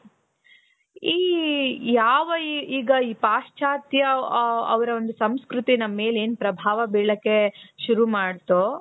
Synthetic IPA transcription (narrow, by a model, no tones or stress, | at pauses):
iːjaːʋɐiiːɡɐiːpaːʂt͡ʃʰaːt̪jɐɐ̰ʋɐɾɐond̪usɐmskɾut̪inɐmːe̞ːle̞ːnpɾɐbʱaːʋɐbiɭɐkːeʃuɾumaːɽt̪oː